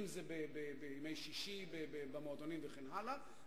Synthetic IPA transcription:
mzebebebeimejʃiʃibebebemoːd̪onimveχenɦala

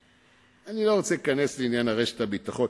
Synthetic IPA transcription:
anilo̞ʁot͡selikane̞sleinjanhaʁe̞ʃe̥tabit̪aχo̞n

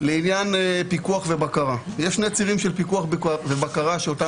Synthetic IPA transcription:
leinjanpikuaχvebakaʁajeʃnet͡siʁimʃelpikuaχbvebakaʁaʃeota

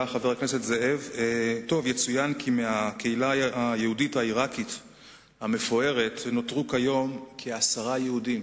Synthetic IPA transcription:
χave̞ʁakne̞setzee̞veto̞vjet͡sujankʰimeake̞ilaajehuditaiʁakit | hame̞fo̞e̞ʁe̞tno̞tʁukajo̞mkʰeasaʁajeudim

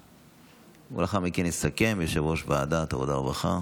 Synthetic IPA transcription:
ṵlaχamikenisake̞mbeʃavoʃbaːd̪at̪avod̪aobaχa̰

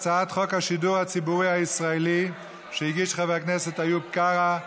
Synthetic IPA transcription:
t͡saat̪χokhaʃiduʁhat͡sibuʁihaisʁaeli | ʃeiɡiʃχaveaknɛsetajup̚kaʁa

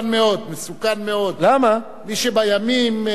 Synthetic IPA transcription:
nmeo̞d̪mesukanmeo̞d̪lama | miʃebajamim

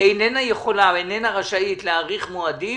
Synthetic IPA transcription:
ejnenajeχo̞lavejnenaʁaʃait̪leaʁiχmoadi

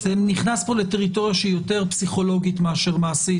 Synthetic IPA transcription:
zeniχnaspo̞le̞teʁito̞ʁjaʃeijo̞te̞ʁpsiχo̞lo̞ɡitmeaʃe̞ʁmaːsi

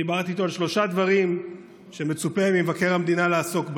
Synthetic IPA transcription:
ibaʁt̪iːt̪o̞alʃlo̞ʃad̪vaʁim | ʃe̞me̞t͡supevimevake̞ʁamd̪inaleaso̞kb

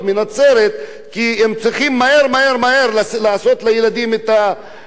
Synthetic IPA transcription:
minat͡se̞ɾet̪ | kiemt͡sʁiχimːae̞ɾmae̞ɾmaeɾlalaaso̞t̪lajelad̪imet̪a

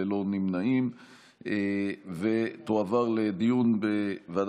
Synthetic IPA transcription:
elo̞nimnaim | evet̪oavaʁled̪ijunbevad

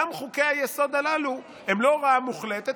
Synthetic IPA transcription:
amχukejhajeso̞d̪alalu | emlo̞ʁaamuχlet̪e

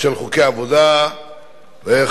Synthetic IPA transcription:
ʃelχukejaavod̪a | ve

